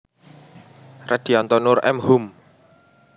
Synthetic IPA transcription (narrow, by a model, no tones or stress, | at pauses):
rad̪̥i̤ant̪ɔnʊrɛ̰mhum